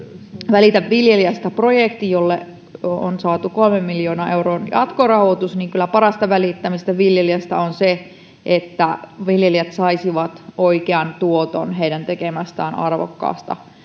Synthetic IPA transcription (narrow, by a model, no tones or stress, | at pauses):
ʋælit̪æʋʋiljeliæst̪æprojekt̪ijolːḛ | onsɑːt̪ukolmemːiljoːnɑʔeuroːnjɑ̰t̪korɑhot̪usniːŋkylæpɑɾɑst̪ɑʋælit̪ːæmist̪æʋiljeliæst̪æonse | ʔet̪ːæʋiljeliæt̪sɑisiʋɑt̪oikeɑnt̪uot̪o̰nɦeidænt̪ekemæst̪æːnɑ̰rʋo̰kːɑ̰ːst̪ɑ̰